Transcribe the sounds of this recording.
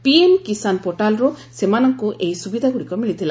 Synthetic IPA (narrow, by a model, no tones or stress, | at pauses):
pienkisanpoʈalɾusemanɔŋkuʔejsubid̪ʱaɡuɽikɔmiɭit̪ʰila